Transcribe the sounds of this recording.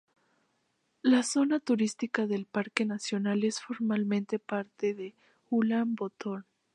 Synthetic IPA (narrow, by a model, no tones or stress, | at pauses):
laso̞nat̪uɾist̪ikaðe̞lpaɾke̞nasjo̞nale̞sfo̞ɾmalmẽnt̪e̞paɾt̪eðe̞ | xulambot̪o̞n